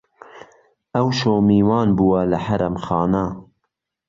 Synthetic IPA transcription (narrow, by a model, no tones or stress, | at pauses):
ʔɐwʃoːmiːwɑːnbuːwɐlɐħɐɾɐmxɑːnɐ